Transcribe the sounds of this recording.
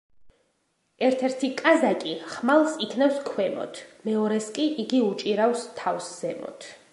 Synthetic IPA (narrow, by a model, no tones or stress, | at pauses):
ɛɾt̪ʰɛɾt̪ʰikʼazakʼiχmalˠsikʰnafskʰwɛmɔ̰t̪ʰmɛɔɾɛskʼiʔiɡiut͡ʃʼiɾawst̪ʰːavsz̥ɛmɔ̰t̪ʰ